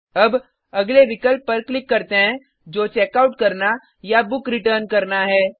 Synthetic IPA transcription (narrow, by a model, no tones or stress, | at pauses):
ɐb | ɐɡleʋɪkəlpːɐɾklɪkːɐɾt̪eɦɛ̃ | d͡ʒoːt͡ʃɛːkaːʊʈkɐɾna | jabʊkɾɪʈəːɾnkɐɾnaɦɛː